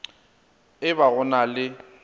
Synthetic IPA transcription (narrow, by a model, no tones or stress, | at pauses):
ɪbaɣʊnalɪ